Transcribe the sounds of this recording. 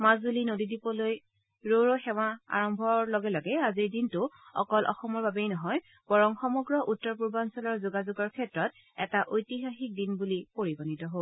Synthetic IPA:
mazbulinodidipɔloj | ɹoɹoxɛwaa̰ɹɔmbʱɔlɔɡɛlɔɡɛaziɹdintʊɔ̰kɔlʔɔ̰xɔmɔɹbabejnɔɦɔj | b̥ɔɹɔŋxɔmɔɡɹɔʔutːɔɹp̬uɹbansɔlɔɹzuɡazuɡɔɹkʰɛtɹɔt̚ | ɛ̰taʔojtiɦaxik̚dinbulipoɹibɔnitɔɦo

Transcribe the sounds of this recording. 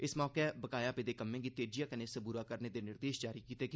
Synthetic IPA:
ɪsmɔːkebəkaːjaːped̪eːkəmːẽːɡiːt̪eːd͡ʒijaːkəneːsəbuːɾaːkəɾneːd̪eːnɪɾd̪eːʃd͡ʒaːɾiːkiːt̪eːk

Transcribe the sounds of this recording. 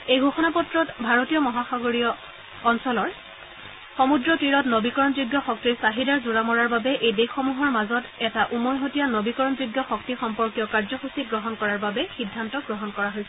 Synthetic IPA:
ejɡʱoxɔnapɔtɹɔtbʱaɹotijɔmɔɦaxaɡoɹiɔː | nsɔlɔɹ | xɔmudɹɔtiɹɔtnobikɔɹɔnzuɡjɔxɔk̚tiɹsaɦidaɹzuɹamɔɹaɹbabɛʔejdexːɔmuɦɔɹmazɔtɛtaʔumɔɹɦotijanobikɔɹɔnzuɡjɔxɔktixɔmpɔɹkijɔkaɹzɔxusit̚ɡɹɔɦɔnkɔɹaɹbabɛxidʱːantɔɡɹɔɦɔnkɔɹaɦojsɛ

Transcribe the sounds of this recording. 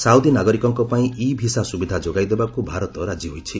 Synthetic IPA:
sawd̪inaɡɔɾikɔŋkɔpaĩʔibʱisasubid̪ʱad͡ʒoɡajd̪ebakubʱaɾɔt̪ɔɾad͡ʒiɦojt͡ʃʰi

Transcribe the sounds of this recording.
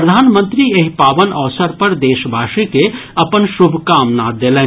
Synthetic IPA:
ɾəd̪ʱaːnmə̃nt̪ɾieɦipaːʋənəʋsəɾpəɾd̪eːʃbʱaːʃikeɐpənʃʊbʱkaːmnad̪elɛ̃ː

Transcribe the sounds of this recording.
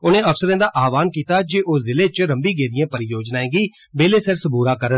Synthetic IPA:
ʊnẽːʔəfsəɾẽːd̪aːʔaːʋaːnkiːt̪aːd͡ʒeːʔoːzɪleːt͡ʃɾəmbiːɡeːd̪ɪjãːpəɾɪjoːd͡ʒnaːẽːɡiː | beːleːsəɾsəbʱuːɾaːkəɾən

